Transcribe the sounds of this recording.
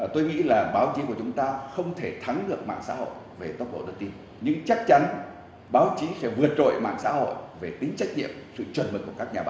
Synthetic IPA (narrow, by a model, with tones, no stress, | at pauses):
t̪o˧jŋḭ˧˥laː˨˩ɓaː˨˦wt͡ɕi˨˦ku˧˩ət͡ɕʊ˨˦ŋ͡mt̪aː˧xə˧wŋ͡mt̪ʰe˧˩t̪ʰa˨˦ŋɗɨ˨˩ək̚ma̰ː˧˨ŋsa̰ː˧˥ho̰˧˨j | ve˨˩t̪o˦˥t̚ɓo̰˧˨ɗɨ˧k̚t̪i˧n | ɲɨ̰˧˥ŋt͡ɕa˦˥k̚t͡ɕa˨˦n | ɓaː˨˦wt͡ɕi˨˦xɛ˧˩vɨ˨˩ət̚zo̰˧˨jma̰ː˧˨ŋsa̰ː˧˥ho̰˧˨jve˨˩ɗï˨˦ŋ̟t͡ɕa˦˥jk̟̚ɲḭ˧˨əmsɨ̰˧˨t͡ɕwə˨˩nmə˨˩ku˧˩əkaː˦˥k̚ɲaː˨˩ɓaː˨˦